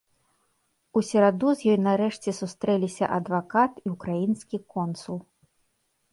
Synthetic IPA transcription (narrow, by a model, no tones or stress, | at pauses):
usʲɛɾad̪uzʲjɔjnɐɾɛʂt͡sʲɛsust̪ɾɛlʲisʲɐʔɐd̪vakat̪iukɾajinskʲikɔnsulˠ